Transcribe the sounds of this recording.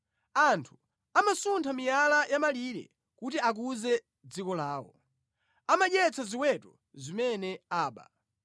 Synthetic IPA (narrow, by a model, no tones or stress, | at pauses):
antʰu̥ | amasuntʰamijalajamaliɾɛ̰ | kutiak̬uzɛ | d͡zikɔlaːwɔ̰ | amaɗjɛt͡sʰaziwɛtɔ | zimɛnɛaːɓa̰